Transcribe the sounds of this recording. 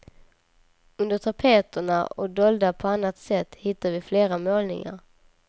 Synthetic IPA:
ɵnd̪əʈʰapʰeːt̪əɳa̰ɔ̰d̪ɔld̪apʰɔanːat̪sɛt̪ːhɪt̪ːavɪfleːɾamoːlnɪ̰ŋa̰ɾ

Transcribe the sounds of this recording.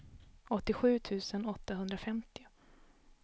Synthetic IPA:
ɔt̪ːɪɧʉ̟ːt̪ʰʉ̟ːsənɔt̪ːaɦɵnd̪ɾafɛmt̪ɪ

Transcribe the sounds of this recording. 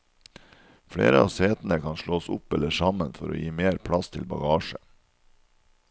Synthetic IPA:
fɽḛːɾəɑ̰ːʋseːt̪n̩əkʰɑnʃɭoːsʊpɛləʂɑmənfɔɾo̰ːjiːmeːɾpʰɽɑst̪ʰɪlbɑ̰ɡɑːʃə

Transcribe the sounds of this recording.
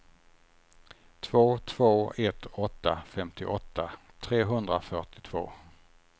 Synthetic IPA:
t̪ʰv̥oːt̪ʰv̥oːɛt̪ɔt̪ːafɛmt̪ɪʔɔt̪ːat̪ʰɾeːɦɵnd̪ɾafœʈɪ̥t̪ʰv̥o̰ː

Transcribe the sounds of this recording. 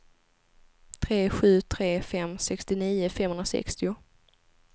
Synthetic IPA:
t̪ʰɾeːɧʉ̟ːt̪ʰɾeːfɛmsɛkst̪ɪniːʊfɛmhɵnɾasɛ̰kst̪ɪʊ

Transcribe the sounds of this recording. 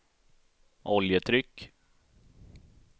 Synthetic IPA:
ʔɔljət̪ʰɾʏkː

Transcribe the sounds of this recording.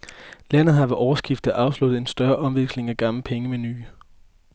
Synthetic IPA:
læn̰ð̩ˠɦɑ̈ʋæʔɒʊɐsɡ̥ifd̥ɐʔɑ̈ʊslud̥ð̩ˠe̝nsd̥ɶɐʔɒ̽mʋeɡ̥sle̝ŋæɡ̥ɑ̈mləpʰeŋəmeny̰ː

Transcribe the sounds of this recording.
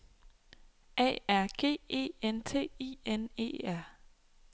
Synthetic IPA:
ʔɛ̰ːæɐ̰ɡ̥e̝̰ːe̝̰ːent͡sʰe̝̰ːḭːene̝̰ːæɐ̰

